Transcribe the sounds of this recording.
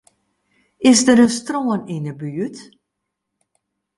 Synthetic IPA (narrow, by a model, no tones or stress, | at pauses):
ɪsdəɾənstroəninəbyət